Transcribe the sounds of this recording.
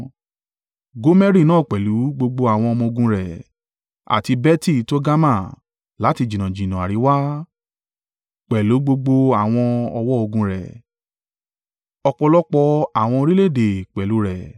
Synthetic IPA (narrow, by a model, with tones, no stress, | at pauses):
ɡo˨˦mɛ˦ɾi˦˨nãː˦˨k͡pɛ˨lu˨˦ɡ͡bo˧ɡ͡bo˧a˨w̃ɔ̃˧ɔ˧mɔ̃˧o˧ɡũ˧ɾɛ˨ | a̰˨ti˧bɛ˦ti˦˨to˦ɡa˦mã˦˨ | la˨˦ti˧d͡ʒĩ˨nã˨d͡ʒĩ˨nã˨a˨ɾi˨˦wa˦ | k͡pɛ˨lu˨˦ɡ͡bo˧ɡ͡bo˧a˨w̃ɔ̃˧ɔ˧wɔ˦o˧ɡũ˧ɾɛ̰˨ | ɔ˧k͡pɔ˧lɔ˦k͡pɔ˧a˨w̃ɔ̃˧ɾi˦le˦˨de˨k͡pɛ˨lu˨˦ɾɛ˨